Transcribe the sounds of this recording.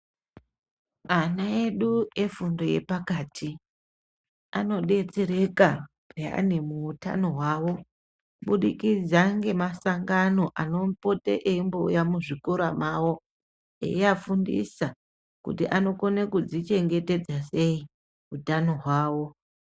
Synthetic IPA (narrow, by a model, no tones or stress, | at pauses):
anae̞ɗue̞fundo̞je̞̰pakaːtʰi | ano̞ɗe̞t͡se̞ɾe̞ka | pea̰ne̞muːta̰no̞ɦwaːwo̞ | ɓuɗikid͡zaŋɡe̞masaŋɡano̞ʔano̞mpo̞tḛʔeimboujamuʐikoɾamawo̞ | ḛjiafundḭsa | kṵtiʔano̞ko̞nekud͡zit͡ʃe̞ŋɡe̞te̞d͡zase̞i | utano̞ɦwaːwo̞